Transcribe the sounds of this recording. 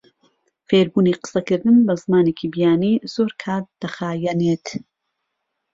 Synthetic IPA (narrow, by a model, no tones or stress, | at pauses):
feːɾbuːniqɨ̥sɐkɨɾd̪ɨnbɐzmaːneːkiːbijaːniːz̥oːɾkʰaːt̪̚d̪̥ɐxaːjɛneːt̪